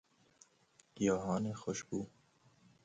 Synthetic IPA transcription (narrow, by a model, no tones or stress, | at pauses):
ɡ̥ijɑːɦɑːnexoʃbuː